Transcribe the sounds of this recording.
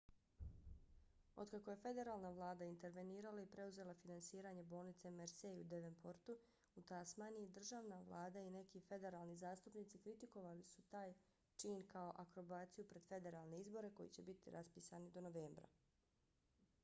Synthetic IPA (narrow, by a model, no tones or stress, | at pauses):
o̞̰d̪kako̞je̞fe̞d̪e̞ɾaːlˠnaʋlˠaːd̪aint̪e̞ɾʋe̞niːɾalaipɾe̞uze̞lˠafinansiːɾaɲe̞bo̞ːlˠnit̪se̞meɾseiud̪eʋenpʰoɾt̪u | ut̪asmaːniid̪r̩ʒaːʋnaʋlˠaːd̪aine̞kife̞d̪e̞ɾaːlˠnizaːst̪upniːt̪sikɾit̪iko̞ʋalisut̪aːj | t͡ʃiːnkao̞ʔakɾo̞baːt̪sijupɾe̞d̪̥fe̞d̪e̞ɾaːlne̞izbo̞ɾe̞ko̞jḭt͡ɕe̞bit̪ḭɾʔaspiːsanid̪o̞no̞ʋe̞ːmbɾa̰